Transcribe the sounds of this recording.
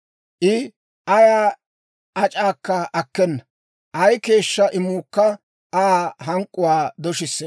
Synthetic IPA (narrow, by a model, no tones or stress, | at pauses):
ʔɪ | ʔɐjaː | ɐt͡ʃʼaːkːɐɐkːɛnːɐ | ʔɐjke̞ːʃːɐʔɪmuːkːɐ | ʔaːɦɐŋkʼːʊwaːd̪ɔʃɪsːɛ